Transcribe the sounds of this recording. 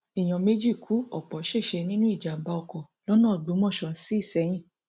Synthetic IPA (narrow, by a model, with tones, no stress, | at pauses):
i˨j̃ɔ̃˨me˦d͡ʒi˦˨kʰu˨˦ɔ˨k͡pɔ˨˦ʃe˦˨ʃɛ˧nĩ˦nũ˦i˦˨d͡ʒa˨m̩˨˦ba˧ɔ˧kɔ˨ | lɔ˦nãː˦˨ɡ͡bo˨˦mɔ̃˦˨ʃɔ̃˧˨n˦si˦i˦˨sɛ˨˦j̃ĩ˦˨